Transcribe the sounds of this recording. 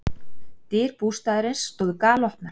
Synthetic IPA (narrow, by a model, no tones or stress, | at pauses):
t̪ɪːɾ̥puːst̪aːðɾɪnsːt̪ɔːðʏkaːlɔhpnaɾ̥